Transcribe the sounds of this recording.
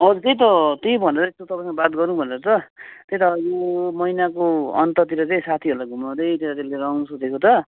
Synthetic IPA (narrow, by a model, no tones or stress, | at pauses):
ʌd͡zuk̪ʌjt̪̬ʌt̪ejbʱʌneɾʌest̪ot̪ʌpãjsbat̪ɡʌɾnubʱʌneɾʌt͡sʌt̪et̪aʌd͡zumʌinakoʌ̰nt̪ʌt̪iɾʌt͡saĩsat̪ʰiɦolaɡʱumʌd̪ʌjt̪et̪at̪elːeɾawnusod̪ekot͡sʌ